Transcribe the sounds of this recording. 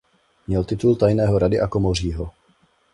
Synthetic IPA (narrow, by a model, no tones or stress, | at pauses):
mɲɛlt̪ɪt̪ult̪ajnɛːɦoɾadɪʔakomor̝iːɦo